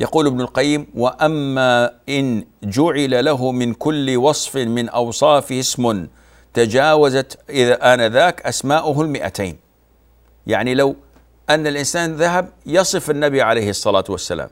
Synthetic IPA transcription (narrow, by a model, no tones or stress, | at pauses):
jɑquːlɪbnʊlqajːɪmwaʔamːaʔɪnd͡ʒʊʕɪlalaɦʊmɪnkʊlːɪwɑsˤfɪmɪnʔɑwsˤɑːfɪhɪsmʊn | t̪ad͡ʒaːwazat̪ʔɪðaʔanaðaːkʔasmaːʔʊɦʊlmɪʔa̰t̪a̰ːn | jaʕnilaw | ʔanːalʔɪnsaːnðaɦab̚jɑsˤɨfanːabiʕalejhɨsˤːɑlaːt̪wasːa̰la̰ːm